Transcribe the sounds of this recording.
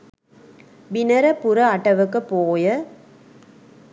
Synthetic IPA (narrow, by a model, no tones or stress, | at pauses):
ʋɪnɐɾɐpʊɾɐɐʈːɐʋɯkːɯpːoːjɐ